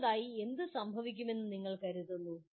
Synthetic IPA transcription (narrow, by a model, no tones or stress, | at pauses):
ðaːjie̞nd̪ɨsɐmbʱɐʋikʲːume̞nːɨniŋːɐɭkɐɾuðunːu